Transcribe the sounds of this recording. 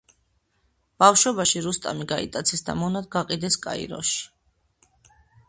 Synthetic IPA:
b̥afʃɔbaʃiɾust̪ʼa̰miɡaḭt̪ʼat̪sʰɛsd̪a̰mɔnad̪̚ɡaqʼid̪ɛskʼa̰ḭɾɔ̰ʃi̥

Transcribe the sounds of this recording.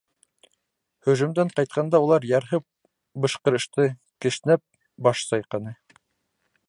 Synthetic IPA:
hɵ̆ʒɵ̆md̪æɴqɑjt̪̚qʰɑnd̪ɑulˠɑɾjɑɾɦɤp̚ | bɤ̆ʃqɤ̆ɾɤ̆ʃt̪ɤ | kɘ̆ʃnæp̚ | bɑʃsɑjqɑnɤ

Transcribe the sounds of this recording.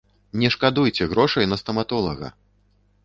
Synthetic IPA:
nʲɛʂkad̪ujt͡sʲɛɣɾɔʂɐjnɐst̪ɐmat̪ɔlˠɐ̰ɣɐ̰

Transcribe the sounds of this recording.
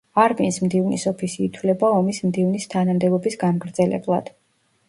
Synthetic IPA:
aɾminsmd̪ivnḭsɔpʰisiːt̪ʰwvlɛbaɔmismd̪ivnist̪ʰanamd̪ɛbɔbisɡamɡɾd̪zɛlɛ̰blˠa̰d̪̥

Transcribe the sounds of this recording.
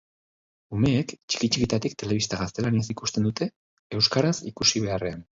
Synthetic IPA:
ume̞ːkt͡ʃi̥kit͡ʃikit̪at̪ikt̪e̞le̞β̞ist̪aɣast̪e̞laniesikust̪e̞nd̪ut̪e̞ | e̞wskaɾasḭkusiβ̞e̞are̞an

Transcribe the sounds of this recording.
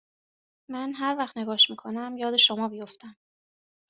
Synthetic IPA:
mænɦæɾvæχt̪ne̞ɡɒːʃmiːkʰo̞næmjɒːd̪e̞ʃo̞mɒːbijo̞ft̪ʰæm

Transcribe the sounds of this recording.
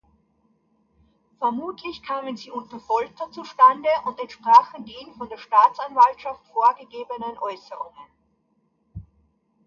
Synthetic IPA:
fɛɐmuːtʰlɪçkʰaːmənziːʔʊntɐfɔlk̚tɐt͡suʃtandəʔʊntɛntʃpʁ̥aːχn̩deːnfɔndeːɐʃtaːt͡sanvaltʃaftfoːɐɡəɡeːbənənʔɔʏsəʁʊŋən

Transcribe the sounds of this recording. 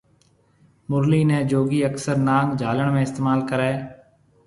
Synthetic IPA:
mʊɾliːnɛ̃ːd͡ʒoːɡiːəksəɾnaːŋɡd͡ʒʱaːləɳmẽːɪst̪eːmaːlkəɾɛː

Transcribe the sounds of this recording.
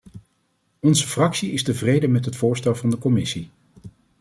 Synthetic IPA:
ɔnzəfrɑksiɪstəvrejdəmɛtɦətfʊːɹstɛlˠvɑndəkɔmɪsi

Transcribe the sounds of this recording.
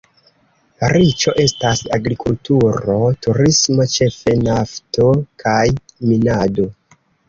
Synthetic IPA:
ɾit͡ʃo̞ʔe̞stasaɡɾikultuɾo̞tuɾismot͡ʃe̞fe̞nafto̞kʰajminado̞

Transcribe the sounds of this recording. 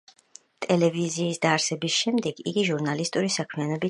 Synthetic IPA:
t̪ʼɛlɛviziːsd̪aːɾsɛbisʃɛmd̪ɛɡḭɡiʒuɾnalist̪ʼuɾisakʰmianɔbi

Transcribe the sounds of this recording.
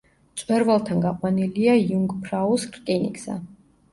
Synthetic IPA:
t̪sʼwɛɾvalˠt̪ʰanɡaqʼwaniliaijuŋɡpʰɾauskʰʼɾkʼinḭkʼsa̰

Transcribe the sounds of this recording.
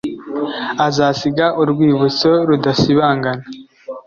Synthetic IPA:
azaːsiɡaʔuɾɡwiːβut͡soɾudasiβaːŋɡana

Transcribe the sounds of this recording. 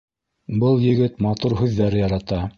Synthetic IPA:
bɤlˠjɘ̆ɡɘt̪mɑt̪uɾɦʉðːæɾɘjɑɾɑt̪ɑ

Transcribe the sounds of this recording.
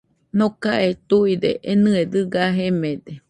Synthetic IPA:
nokaʔet̪uid̪ḛʔenɨed̪ɨɡaɦemẽd̪e

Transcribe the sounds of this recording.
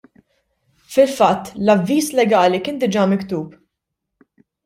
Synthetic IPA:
fɪlfɐt̪ːlɐvːiːslɛɡɐːlikɪːnd̪ɪd͡ʒɐːmɪkt̪uːp

